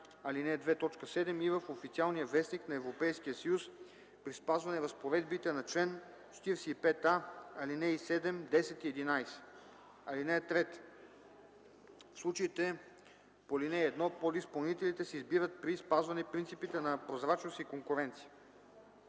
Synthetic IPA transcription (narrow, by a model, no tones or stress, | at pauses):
ɐlinɛd̪vɛt̪ɔt͡ʃkəsɛd̪ɛmivəfofit̪sialˠnijəvɛsniknɐɛvɾopɛjsk̟ijəsɐjus | pɾispazvɐnɛvɐspovɛd̪bit̪ɛnɐt͡ʃlɛn | t͡ʃɛ̥t̪iɾsiːpɛt̪aɐlinɛisɛd̪ɛmd̪ɛsɛt̪iɛd̪inajsɛ̥ | ɐlinɛt̪ɾɛt̪ | fslˠut͡ʃəit̪ɛ | polinɛːd̪nɔpod̪ispɐlˠnit̪ɛlit̪ɛsɛizbiɾət̪̚pɾispazvɐnɛpɾint̪sipit̪ɛnɐpɾozɾat͡ʃnost̪ikoŋkuɾɛnt̪sijə